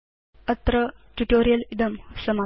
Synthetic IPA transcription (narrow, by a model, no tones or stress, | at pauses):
ət̪ɾəʈuʈoɾijəlid̪əmsəma